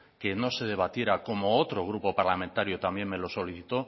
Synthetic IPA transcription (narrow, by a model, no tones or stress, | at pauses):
ke̞no̞se̞ð̞e̞βat̪je̞ɾako̞mo̞ot̪ɾoɣ̞ɾupo̞paɾlamẽ̞nt̪aɾjot̪ambje̞ŋme̞lo̞so̞liθit̪o̞